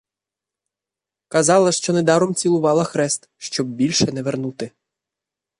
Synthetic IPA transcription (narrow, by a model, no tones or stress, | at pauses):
kɐzɑlˠɐʃt͡ʃɔnɛd̪ɑɾɔmt͡sʲilˠʊʋɑlˠɐxɾɛst̪ʃt͡ʃɔb̚bʲilʲʃɛnɛʋernut̪ɪ